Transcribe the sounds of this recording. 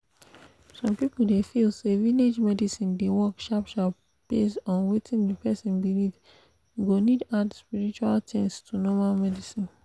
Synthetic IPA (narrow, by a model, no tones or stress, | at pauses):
sɔ̃mpipl̩defilseviled͡ʒmɛdisĩndewɔkʃɔpʃal | b̥esɔ̃nwetʰĩndipɛsĩnbilid | ɡonidadspiɹit͡ʃualtʰɛ̃nstʰunɔmalmɛdisĩn